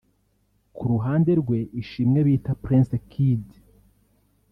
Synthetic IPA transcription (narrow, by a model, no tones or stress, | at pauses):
kʰuɾuɦaːnde̞ɾɡwe̞ʔiʃiːmŋeβiːtapɾĩnsekʰid